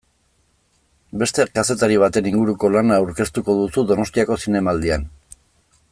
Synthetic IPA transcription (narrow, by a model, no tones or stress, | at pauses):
be̞st̪e̞kase̞t̪aɾiβ̞at̪e̞niŋɡuɾuko̞lanaːawɾke̞st̪uko̞ðusuðo̞no̞st̪iako̞sine̞maːld̪ian